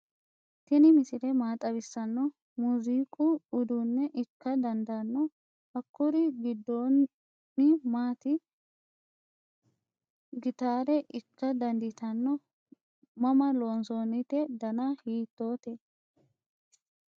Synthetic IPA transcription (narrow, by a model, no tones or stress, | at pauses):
t̪ɪnɪmɪsɪɾɛmaːt̪ʼɐbɪsːɐnːɔ | muziːkʼʊːd̪unːɛʔɪkːɐd̪ɐnd̪ɐnːɔ | ɐkːʊɾɪɡɪd̪ːoː | ɪmaːt̪ɪ | ɡɪt̪aːɾɛʔɪkːɐd̪ɐnd̪ɪt̪ɐnːɔ | mɐmɐloːnsoːnɪt̪ɛd̪ɐnaːhiːt̪ːo̞ːt̪ɛ